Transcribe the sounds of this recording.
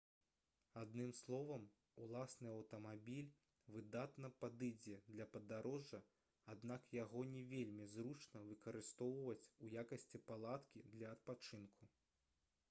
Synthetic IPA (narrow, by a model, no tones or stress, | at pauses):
ad̪nɨmslˠɔvɐm | ulˠasnɨɐwt̪ɐmabʲilʲ | vɨd̪at̪nɐpad̪ɨd͡zʲɛd̪lʲɐpɐd̪aɾɔʐɐ | ad̪nakjaɣɔnʲɛvʲelʲmʲizɾut͡ʂnɐvɨkɐɾɨst̪ɔwvɐt͡sʲujakɐsʲt͡sʲɛpalˠat̪kʲid̪lʲɐːt̪̚pat͡ʂɨnkʰu